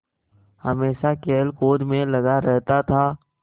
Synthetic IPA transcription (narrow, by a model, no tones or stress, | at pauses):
hɐmeːʃakeːlkoːd̪mẽlɐɡaɾɛɦt̪at̪ʰaː